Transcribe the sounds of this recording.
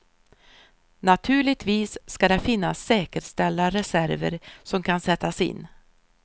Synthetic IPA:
nat̪ʰʉ̟ːɭɪɡt̪ʰviːsːkad̪ɛfɪnːasːɛːkəɾʂt̪ɛlːaɾɛsæɾvə̰ɾsɔmkʰansɛt̪ʰːasɪ̰nː

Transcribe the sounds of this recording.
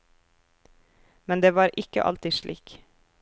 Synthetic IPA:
mɛnd̪eːʋɑːɾʔɪkə̰ʔɑ̰lt̪ɪʃɭḭːk

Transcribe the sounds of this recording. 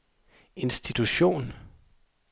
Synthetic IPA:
e̝nsd̥it͡sʰuɕo̝̰ːn

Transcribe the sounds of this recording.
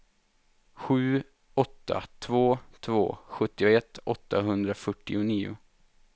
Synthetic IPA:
ɧʉ̟ː | ɔt̪ːa̰t̪ʰvoːt̪ʰvo̰ːɧɵt̪ːɪʊɛt̪ːɔt̪ːaɦɵnd̪ɾafœʈːɪʊniːʊ̰

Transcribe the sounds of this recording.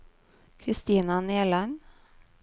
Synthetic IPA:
kʰɾɪst̪iːnɑneːlɑn

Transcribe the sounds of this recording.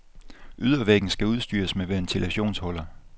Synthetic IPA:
ʔyð̞ˠɐʋeɡ̥n̩sɡ̥æuð̞ˠsd̥y̰ːɐsmeʋeɐnt͡sʰelæɕo̝̰ːnshɒ̽lɐ

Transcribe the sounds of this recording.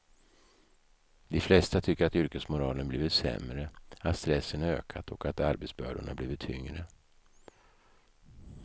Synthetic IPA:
d̪ɛflɛst̪at̪ʰʏkːəɾat̪ʏɾkəsmʊɾɑːlənbliːvɪt̪sɛ̰mɾəat̪st̪ɾɛsːənøːkʰat̪ʰɔkat̪aɾbɛt̪sbœːɖʊɳa̰bliːvɪt̪ʰːʏŋɾə

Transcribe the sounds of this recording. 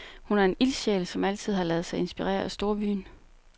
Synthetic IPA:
hunæɐe̝nilɕeːləsɒ̽mæl̰t͡sʰið̞̰ˠhɑ̈lɛːð̞ˠsɑ̈ɪe̝nsb̥iʁɛ̰ːɐæsd̥o̝ːɐʋy̰ːn

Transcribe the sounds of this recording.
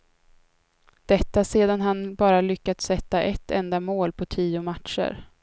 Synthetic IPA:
d̪̥ɛt̪ːaseːd̪anɦanbɑːɾalʏkːat̪sɛt̪ːaʔɛt̪ːɛnd̪amoːlpʰɔt̪ʰiːʊmat̪ʂə̰ɾ

